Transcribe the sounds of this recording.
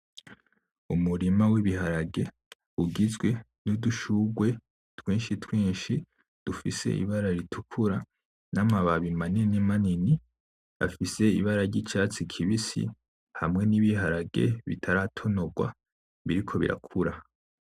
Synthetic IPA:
umuɾimawiβiɦaɾaɡe̞ | uɡizɡwe̞ | nuduʃuɡwe̞ | twiːnʃitwiːʃi | d̥ufise̞̰ḭβaɾaɾitʰukʰuɾa | namaβaβimaninimanini | a̰fise̞ḭβaɾaɾɟit͡ʃat͡sikʰiβisḭ | hamŋe̞niβiɦaɾaɡe̞̰βḭtʰaɾatʰo̞no̞ɡwa̰ | βiɾikʰo̞βḭɾa̰kʰuɾa

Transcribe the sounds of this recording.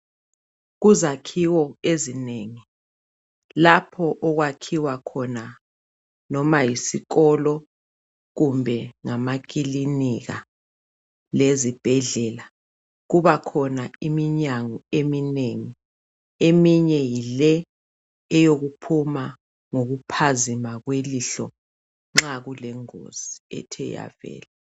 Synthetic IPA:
ɣuzakʰiwɔezineːŋi | lapʰɔʔɔɣwakʰiwakʰɔna | nɔmajisiɣɔlɔ | ɣumbʱɛŋamak̬ʼiliniɣa̰ | lezib̥ʱɛɮɛːla | ɣuβakʰɔnaimiɲaŋɔemineŋi | emiɲɛjilɛ | ɛjoɣupʰuma | ŋoɣupʰazimaɣweliɬɔ | ŋ͡ǁaɣulɛŋo̰z̥iɛ̰tʰɛ̰ja̰vɛ̰ːlɛ

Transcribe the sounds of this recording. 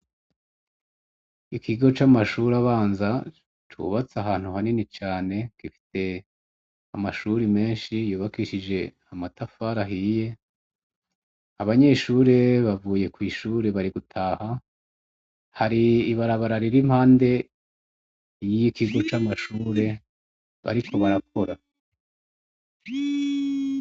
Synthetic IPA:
ikiɡo̞t͡ʃamaʃuːɾaβaːnza | t͡ʃṵβat͡saɦaːn̥huhaninit͡ʃaːne̞kifi̥te̞ | amaʃuɾime̞ːnʃijuːβakiʃid͡ʒe̞ | amatafaɾaɦije̞ | aβaɲe̞ʃuːɾe̞βavuːje̞kwiːʃuːɾe̞βaɾiɡutʰaːha | haɾiːβaɾaβaɾaɾiɾim̥haːnde̞ | jijikiɡo̞t͡ʃaːmaʃuːɾe̞ | βa̰ɾikʰo̞βaɾak̚ʰo̞ɾa

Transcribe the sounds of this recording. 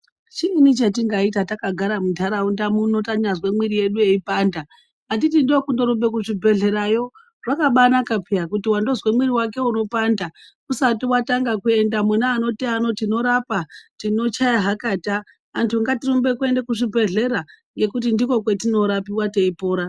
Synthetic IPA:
t͡ʃiːnit͡ʃat̬iŋɡaitatakaɡʱaɾamutʰaɾaundamunotaɲazwe̞mwiɾije̞ɗue̞ipaːnda | atitindokundo̞ɾumbe̞kuʐibʱe̞ɮe̞ɾajo̞ | ʐ̥akaɓanakapʰijakutiwando̞zwe̞mwiɾiwake̞uno̞panda | usatiwataŋɡakue̞ndamunaːno̞tiano̞tino̞ɾapatino̞t͡ʃajaɦakaːtaː | ntʰuŋɡatirumbe̞kue̞ndekuʐibʱe̞ɮe̞ɾaŋɡe̞kutindiko̞k̬we̞tino̞ɾapiwate̞ipoːɾa

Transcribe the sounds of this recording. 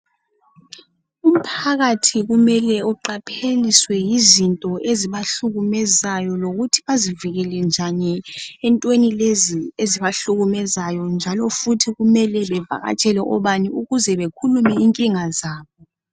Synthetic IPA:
um̩pʰaɣatʰiɣumɛlɛɔǃapʰeliswɛjizintʼɔʔeziβaɬuɣumɛzajɔloɣutʰi̥βaziviɣɛlɛnd͡ʒʱaɲɛːntʼwenilezieziβaɬuɣumɛzajɔnd͡ʒʱalɔfutʰiɣumɛlɛβɛva̰ɣa̰t͡ʃʼɛlɛʔɔβaniuɣuzɛβekʰulumɛiŋkʼiŋazaːβɔ

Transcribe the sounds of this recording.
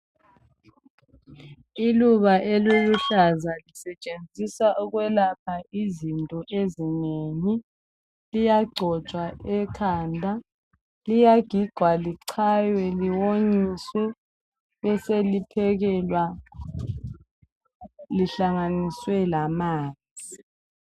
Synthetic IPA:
iluβaʔeluluɬazalisɛt͡ʃʼend͡zʱisaʔɔɣwɛlap̚ʰaizintʼɔʔezineni | lijaɡ͡ǀʱɔ̥t͡ʃʼwaɛkʰaːndʱa | lijaɡ̥ʱiɡ͡ǀʱwaliǀʰajwɛliwoɲiswɛ | βɛselipʰɛɣɛlwa | liɬaŋaniswɛlamaːnd͡zʱi

